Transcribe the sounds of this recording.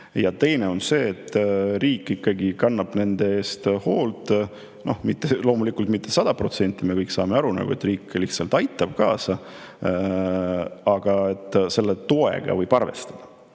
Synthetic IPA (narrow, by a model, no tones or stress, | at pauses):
jɑt̪e̞jne̞o̞nse̞ːt̪ːˑriːkːˑikːɑɡikɑnːɑb̥ne̞nd̪e̞eːst̪ho̞ːlt̪ˑ | no̞hmit̪ːelo̞ːmulikːˑult̪mit̪ːe̞sɑd̪̥ɑpro̞t̪se̞nt̪ːˑime̞kɤjksɑ̰ːmeɑɾunɑ̰ɡ̥uet̪ːriːkːlihtsɑlt̪ɑjt̪ːˑɑb̥kɑːsɑ | ɑɡ̥ɑe̞t̪ːˑse̞lːet̪oḛɡ̥ɑ̰vɤjb̥ɑrve̞̰st̪ɑd̪̥ɑ